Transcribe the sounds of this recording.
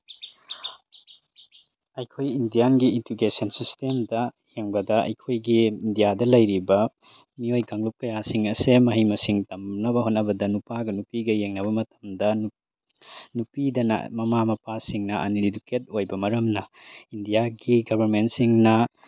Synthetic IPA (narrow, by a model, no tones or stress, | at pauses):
ɐjkʰojindijanɡiintukesɐnsistemdɐ | heŋbɐdɐʔɐ̰jkʰojɡiːndijadɐlɐjɾibɐ | miojɡaŋlup̚kɐjasiŋɐsemɐɦijmɐsiŋtɐmnɐbɐɦonːɐbɐdɐnupaɡɐnupiɡɐjeŋnɐβɐmɐtɐ̥mdɐ | nupidɐnɐ̰mɐmamɐpasiŋnɐʔɐ̰niliduket̚ojbɐmɐɾɐmnɐindijaɡiɡɐbʱɐɾment̚siŋnɐ